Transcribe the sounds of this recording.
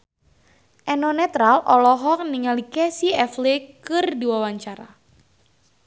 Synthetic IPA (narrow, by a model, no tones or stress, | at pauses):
ʔɛnɔnɛt̪ɾalʔɔlɔɦɔk̚niŋalikɛsiɛflekɨrdiwawaɲt͡ʃaɾa